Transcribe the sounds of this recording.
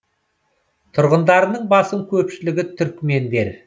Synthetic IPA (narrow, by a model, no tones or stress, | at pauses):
t̪ʰʊɾʁənd̪ɑɾənəɴbɑsəŋkʲʰɵpʃɪlɪɡʲɪt̪ʰʏɾkʲme̞nd̪e̞ɾ